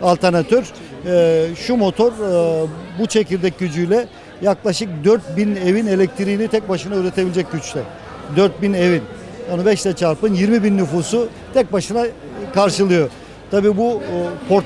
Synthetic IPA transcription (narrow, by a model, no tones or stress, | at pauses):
alʲt̪ʰaɾnat̪ʰøɾ | ʃumo̞t̪ʰo̞ɾ | but͡ʃʰe̞cilʲd̪ɛc̚ɟyd͡ʒyjlʲɛ | jaklˠaʃɯk̚d̪øɾt̪̚bine̞vine̞lʲɛc̚t̪ʰɾiːnit̪ʰɛc̚baʃɯnaøːɾet̪ʰebilʲed͡ʒɛc̚ɟyt͡ʃlʲɛ | d̪øɾt̪̚bine̞vin | anubɛʃlɛt͡ʃʰaɾpɯnjiɾmibinːyfuːsu | t̪ʰɛc̚baʃɯna | kʰaɾʃɯlˠɯjo̞ | t̪ʰabiːbupʰo̞ɾt̪